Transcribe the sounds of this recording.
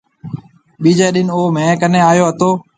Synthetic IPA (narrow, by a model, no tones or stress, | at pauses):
ɓiːd͡ʒaːɗɪnoːmɛ̃ːkənẽːaːjoːət̪oː